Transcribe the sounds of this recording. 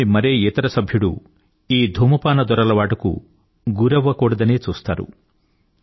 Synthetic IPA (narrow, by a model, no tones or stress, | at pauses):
imɐɾeːɛt̪ɐɾɐsɐbʱjuɽu | iːd̪ʱumɐpaːnɐd̪ɔɾɐlɐʋaːʈɐkṵ | ɡuɾɐʋɐkoːɽɐd̪ɐne̞ːt͡ʃuːst̪a̰ːɾṵ